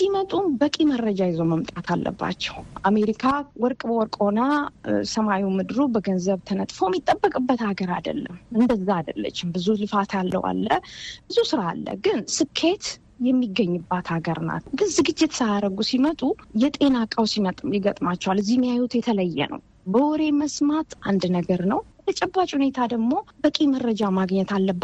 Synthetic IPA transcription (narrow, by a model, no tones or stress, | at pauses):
simət̪ʼubəkʼimərːəd͡ʒajɪzowməmt̪ʼat̪ʰalːə̰bːa̰t͡ʃːɛ̥wʔame̞ɾikʰawɔɾkʼbəwɔɾkʼonasəmawiwmɨd̪ɨɾubəɡənzəβt̪ʰənət̪ʼfowmit̪ʼːəbːəkʼɨbːət̪haɡəɾad̪ə̰lːə̰mɨnd̪əzːaad̪əlːə̰t͡ʃːɪmbɨzulɨfat̪ʰjalːə̰wa̰lːəb̥ɨzusɨɾaːlːə̰ɡɨnsɨkʰːe̞t̪ | jɛmːiɡːəɲːɨbːat̪haɡəɾna̰t̪ɡɨnzɨɡɨd͡ʒːɪt̪ʰsaaɾəɡusimət̪ʼujɛt̪ʼe̞nakʼawsimət̪ʼjɪɡət̪ʼmat͡ʃːɛwalɨzːihmːijajut̪jɛt̪ʰələjːɛ̰nə̰w | bəwɔɾe̞məsmat̪ʔand̪nəɡəɾnəwbət̪ʰət͡ʃʼɛbːat͡ʃʼhune̞t̪ʰad̪əɡmo̞bəkʼimərːəd͡ʒamaɡɲːɛt̪alːəbː